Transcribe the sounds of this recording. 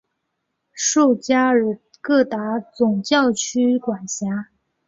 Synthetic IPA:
ʂu˥˩ʊt͡ɕja˥˨˩ | kɤ˥˩t̪a˧˥t͡sʊ˨˩ŋt͡ɕjɑ˥˩ʊt͡ɕʰy˥kwa˨˩nɕja˧˥

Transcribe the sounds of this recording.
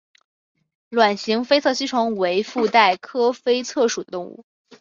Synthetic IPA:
lwa˨˩nɕi˧˥ŋfe˥ɪt͡sʰɤ˥˩ɕi˥ʈ͡ʂʰʊ˧˥ŋwe˧˥ɪfu˥˧t̪a˥˩ɪkʰɤ˥fe˥ɪt͡sʰɤ˥˩ʂu˨˩d̪ə˦t̪ʊ˥˧ŋṵ˥˩

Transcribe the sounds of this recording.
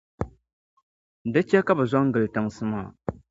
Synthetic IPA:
dɨ˦t͡ʃɛ˦ka˦bɨ˨za˦ŋ̩˦ɡɨ˨ltɨ˨ŋsɨ˦ma˦˨

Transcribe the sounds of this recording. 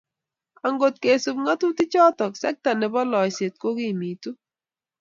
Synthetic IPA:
a˨ŋɡo˨t̚ke˨su˨p̚ŋa˦tu˦ti˦t͡ʃɔ˦tɔ˨ksɛ̰˦k̚ta˨nɛ˨bɔ˦lɔ˨jse˨t̚ko˦ki˦mi˨tu˦

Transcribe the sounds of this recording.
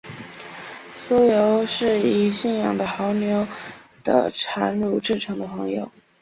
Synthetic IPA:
su˥jo˧˥ʊʂɻ̩˥˩i˨˩ɕi˥˩njɑ̰˨˩ŋd̪ə˩xɑ˧˥ʊnjo˧˥ʊd̪ə̰˧ʈ͡ʂʰa˧˥nɻu˥˧ʈ͡ʂɻ̩˥˩ʈ͡ʂʰɤ˧˥ŋd̪ə˧pʰɤ˧˥ŋjo̰˨˩ʊ

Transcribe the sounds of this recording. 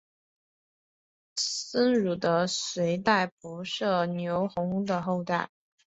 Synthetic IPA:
sə˥nɻu˨˩d̪ə˦swe˧˥ɪt̪a˥˩ɪpu˧˥ʂɤ˥˩njo˧˥ʊxʊ˧˥ŋu˥d̪ə˨xo˥˧ʊt̪a˥˩ɪ

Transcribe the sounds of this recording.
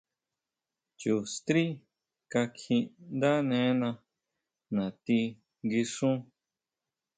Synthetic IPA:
t͡ʃu˨st̪ɾi˦ | ka˧kʰĩ˧nd̪a˦nẽ˧˦nã˧ | nã˨t̪i˧ | ɡi˧ʂũ˦

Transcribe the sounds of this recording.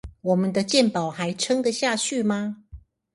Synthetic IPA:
wɔ˨˩mə˦nd̪ə˧t͡ɕjɛ˥˨npɑ˨˩ʊxa˨˦ɪʈ͡ʂʰɤ˥ŋd̪ə˨ɕja˥˧t͡ɕʰy˥˨ma˧

